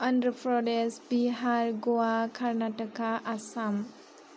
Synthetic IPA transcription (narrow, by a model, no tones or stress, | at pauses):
ʌndɾəpʰɾɔdesbiɦaɾɡoakʰaɾnatəkʰaʔasam